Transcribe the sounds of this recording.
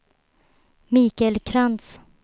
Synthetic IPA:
miːkɛlkʰɾant̪s

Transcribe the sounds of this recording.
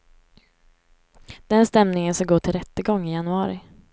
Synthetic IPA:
d̪̥ɛnst̪ɛmnɪŋənsaɡoːʈʰɪlɾɛt̪ːəɡɔŋːɪjanɵɑːɾɪ̰

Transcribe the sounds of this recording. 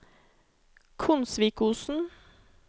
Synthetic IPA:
kʰʊnsʋiːkuːsn̩

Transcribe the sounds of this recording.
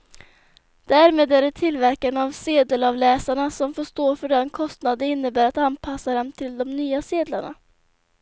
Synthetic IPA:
d̪̥æːɾmeːd̪æɖɛt̪ʰɪlvæɾkanavseːd̪əlɑvlɛːsaɳasɔmfoːʂt̪oːfœɖɛnkʰɔst̪nad̪əɪnːəbæːɾat̪anpʰasːad̪ɛnt̪ʰɪld̪ɔmnyːaseːd̪la̰ɳa̰

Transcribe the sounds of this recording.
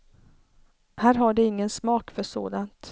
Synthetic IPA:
hæːɾɦaɖɛɪŋːənsmɑːkfœʂo̰ːd̪ant̪

